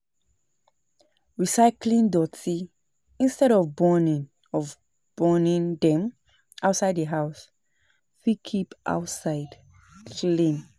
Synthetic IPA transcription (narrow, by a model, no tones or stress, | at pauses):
ɹisaɪklĩndɔtʰi | ĩnstɛɾɔvbɔnĩn | ɔv | b̥ɔnĩndɛ̃m | aʊtsaɪdðəɦaʊs | fikʰipʔa̰ʊtsaɪd | lĩn